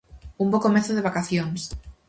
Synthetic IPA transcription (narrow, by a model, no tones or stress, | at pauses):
umbokomeθoðeβ̞akaθjoŋs